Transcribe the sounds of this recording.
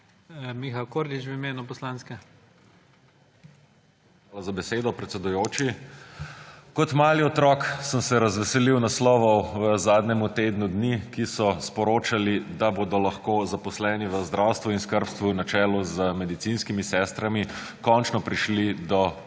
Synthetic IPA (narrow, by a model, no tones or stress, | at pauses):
mixalkoɾd̪it͡ʃʋimeːnupɔslaːnskɛ | x | alazabɛseːd̪ɔpɾɛt̪sɛd̪ujoːt͡ʃi | kɔt̪maːliɔt̪ɾɔksəmsɛɾɐzʋɛsɛliwnaslɔʋɔwəzaːd̪nɛmut̪eːd̪nud̪nikisɔspɔɾoːt͡ʃalid̪aboːd̪ɔlaxkoːzapɔslɛːniʋəzd̪ɾawst̪ʋuinskəɾpst̪ʋunat͡ʃɛːlɔzəmɛd̪it̪sinskimisɛːst̪ɾami | kɔnt͡ʃnɔpɾiʃlid̪ɔ